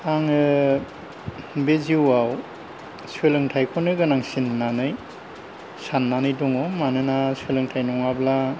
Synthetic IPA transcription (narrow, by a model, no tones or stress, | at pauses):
aŋɯ | beziwaw | swelɯŋtʰajkʰɔnɯɡɯnaŋsinːanɯj | sanːanɯjdɔŋɔmanɯnaswelɯŋtʰajnɔŋabla